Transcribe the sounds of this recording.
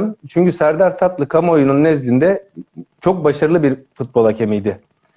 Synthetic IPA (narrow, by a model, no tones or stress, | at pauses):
mt͡ʃʰyɲcysæɾd̪æɾt̪ʰat̪lˠɯkʰamojununːɛzlʲind̪ɛt͡ʃʰo̞k̚baʃaɾɯlˠɯbiɾfut̪̚bolˠacʰe̞mijd̪ɪ